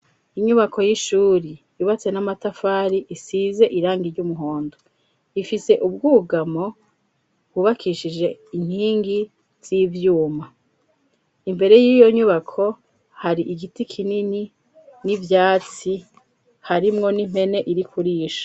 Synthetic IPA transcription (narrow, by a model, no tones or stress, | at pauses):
iɲuβakʰo̞jiʃuːɾijuβat͡se̞namatafaːɾiʔisize̞ʔiɾaːŋɡiɾɟumuɦo̞ːndo | ifise̞ʔub̚ɡuːɡamo̞ | buβakiʃid͡ʒe̞in̥hiːŋɡi | z̥ivjuːma | imbe̞ɾe̞jiːjo̞ɲuβakʰo̞ | haɾiʔiɡitikʰinini | nivjaːt͡si | haɾimŋo̞nim̥he̞ne̞ʔiɾikʰuɾiːʃḁ